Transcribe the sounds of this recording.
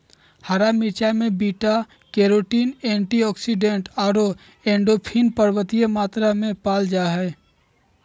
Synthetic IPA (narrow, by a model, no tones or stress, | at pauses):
haɾamit͡ʃamẽbiːʈa | keːɾoːʈiːnẽːɳʈiɔːksiɖẽɳʈaːɾo | ẽːɳɖopʰinpəɾwət̪ijemaːt̪ɾamẽpaːld͡ʒaːɦɛː